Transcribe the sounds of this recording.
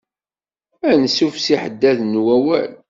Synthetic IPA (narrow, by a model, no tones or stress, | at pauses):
ænsufsiħəd̪ːæðnwæwæl